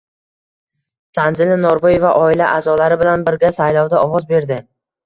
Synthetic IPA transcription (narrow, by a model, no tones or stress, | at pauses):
sʰanzɪnanoɾboje̞vaʔɒɪlaʔazɒlaɾɪbɪlanbɪɾɡʲasajlɒwd̪aɒwɒzbe̞ɾd̪ɪ